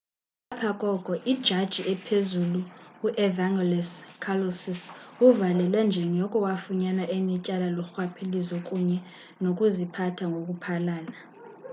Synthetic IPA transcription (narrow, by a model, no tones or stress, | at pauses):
apʰakʼɔɡ̥ʱɔʔid̥ʒ̥ʱad̥ʒ̥ʱiʔɛpʰezuluuʔɛvaŋɛlɛskʰalosisuvalɛlwɛnd͡ʒʱɛŋɔkʼɔwafuɲanaʔemicʼalaluxwapʰilizɔkʼuɲɛ | nokʼuzipʰatʰaŋɡʱok̬ʼupʰalaːna